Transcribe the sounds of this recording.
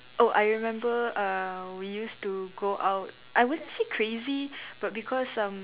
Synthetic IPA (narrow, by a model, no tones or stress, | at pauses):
ʔoʔajɹimɛ̃mbəʌwijustuɡoʔaʊt̚ | ʔajwudə̃nsikʰɹezib̥at̚bikʰɔsʌ̃m